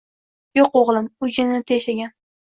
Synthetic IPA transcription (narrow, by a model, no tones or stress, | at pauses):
joqoʁlˠɪmʊd͡ʒɪnɪt̪ʰeʃaɡʲan